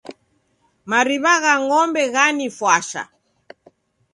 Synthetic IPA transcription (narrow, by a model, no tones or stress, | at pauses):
maɾiβaɣaŋɔmbɛɣanifwaʃa̰